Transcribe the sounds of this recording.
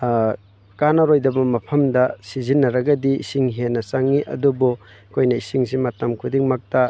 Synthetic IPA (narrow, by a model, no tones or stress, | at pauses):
kanɐɾojdɐbɐmɐpʰɐmdɐsizinːɐɾɐɡɐdiḭsiŋɦenːɐsaŋːiʔɐ̰dubu | kʰojnɐisiŋsimɐtɐmkʰudiŋmɐk̚tɐ